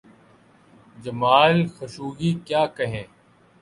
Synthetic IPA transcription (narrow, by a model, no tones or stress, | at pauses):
d͡ʒɐmaːlxəʃuːɡiːkjaːkɐɦẽː